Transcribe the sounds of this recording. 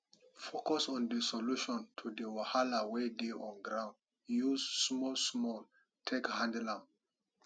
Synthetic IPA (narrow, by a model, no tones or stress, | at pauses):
fokɔsɔ̃ndəsɔluʃɔ̃ntʰudəwahalawedeʔɔ̃nɡɾãʊ̃nd | juzsmɔlsmɔl | tʰekhãndlãm